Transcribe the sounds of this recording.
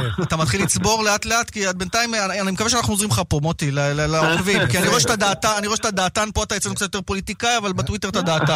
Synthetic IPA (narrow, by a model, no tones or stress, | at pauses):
at̪amat̪χilit͡sbo̞ʁle̞at̪le̞atkiad̚bentaimaanimekaveʃeanaχnuozʁimχapomot̪ilelelaoʁvimkianiʁoeʃtad̪aːtaaniɣoeʃet̪ad̪aːtanpo̞at̪ajet͡senukt͡satjot̪e̞po̞lit̪ikajavalbet̪wit̪e̞ʁtad̪aːt̪a